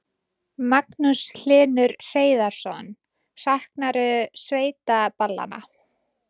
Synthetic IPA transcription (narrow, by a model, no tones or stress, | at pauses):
maknusl̥ɪːnʏɾr̥eːjðaɾ̥sɔn | sahknaɾʏsveːjt̪apalːa̰na̰